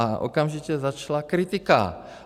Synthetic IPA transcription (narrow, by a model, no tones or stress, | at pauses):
aʔo̰kamʒicɛzat͡ʃlakɾɪt̪ɪka̰